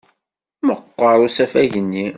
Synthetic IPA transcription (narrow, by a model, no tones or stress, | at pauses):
məqːəɾˤusæfæʝənːi